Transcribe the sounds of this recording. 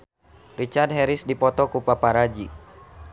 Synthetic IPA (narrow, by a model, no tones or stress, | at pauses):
rit͡ʃard̚ɦɛɾisdipɔt̪ɔkupapaɾad͡ʒi